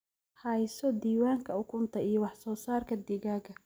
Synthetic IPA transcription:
hɐjsɔd̪iːwaːŋkʰɐʊkʰʊnt̪ʰɐijɔwɑħsɔːsaːrkʰɐd̪ɪɣaːɣɐ

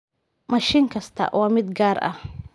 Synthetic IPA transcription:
mɐʃɪŋkʰɐst̪ʰɐ̰wʔɑːmɪd̪ɡaːɾɐ̰h

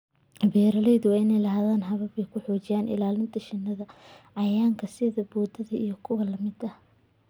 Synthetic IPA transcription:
bɛːɾɐlɛjðʊwɑːɪnɛjlɐɦðaːnɦɐβɐβɛjkʰʊħɔːt͡ʃɪjaːnʔɪ̰laːlɪnt̪ʰɐʃɪnːɐðɐʕɑjaːŋkʰɐsɪðɐbɔːd̪ɐðɐʔijɞkʰʊwɐlɐmɪd̪ɐ

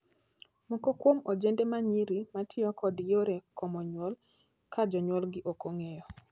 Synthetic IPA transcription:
mokokwomod͡ʒendemaɲiɾimatʰɪɔkɔdjoɾekɔmɔɲwɔl | kʰad͡ʒɔɲwɔlɡɪʔokoŋejɔ

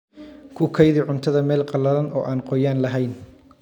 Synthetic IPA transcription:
kʰʊkʰɛjðɪʕʊnt̪ʰɐðɐmɛːlqɑlɐðɐnʔɔ̰ːʔaːnqɔjaːnlɐɦɛjn

